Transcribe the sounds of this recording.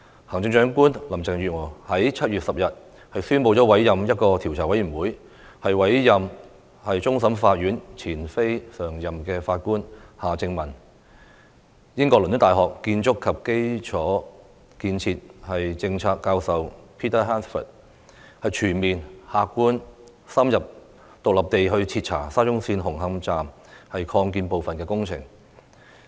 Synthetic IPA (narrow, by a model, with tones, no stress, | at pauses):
haː˨˩ŋt͡ɕɪ˧ŋt͡ʃœː˨˥ŋkuː˥nlɐ˨˩mt͡sɛ˨ŋjy˨ŋɔː˨˩hɐ˨˥jt͡sʰɐ˥t̚ɥyː˨t̚sɐ˨p̚jɐ˨t̚ | hɐ˨jsyː˥npo˧wt͡ʃɔː˨˥wɐ˨˥jːɐ˨mjɐ˥t̚kɔː˧t̪ʰi˨˩wt͡sʰaː˨˩wɐ˨˥jɥyː˨˩wuː˨˥j | hɐ˨jwɐ˨˥jjɐ˨m | hɐ˨jt͡sʊ˥ŋs̬ɐ˨˥mfaː˧t̚ɥyː˨˥nt͡sʰiː˨˩nfe˥jsœː˨˩ŋjɐ˨mkɛː˧faː˧t̚kuː˥nhaː˨˩t͡sɪ˧ŋmɐ˨˩n | jɪ˥ŋkɔː˧lɵ˨nː˥t̪aː˨jɦɔː˨k̚kːiː˧nt͡ʃʊ˥kʰːɐ˨p̚ke˥jt͡ʃʰɔː˨˥ | kiː˧nt͡sʰiː˧t̚hɐ˨jt͡sɪ˧ŋt͡sʰaː˧kːaː˧wsɐ˨wpʰiː˥t̪ʰɐ˥ɦaː˥nsfə̰˨˩t̚ | hɐ˨jt͡ʃʰyː˨˩nmiː˨nhaː˧kkːuː˥n | sɐ˥mjɐ˨p̚ | t̪ʊ˨k̚lɐ˨p̚t̪e˨jɦɵ˧ɥt͡sʰi˧t̚t͡sʰa̰ː˨˩saː˥t͡ʃʊ˥ŋsiː˧nɦʊ˨˩ŋɦɐ˧mt͡saː˨m | hɐ˨jkʰɔː˧ŋkiː˧npo˨wfɐ˨nkɛː˧kʊ˥ŋt͡sʰɪ̰˨˩ŋ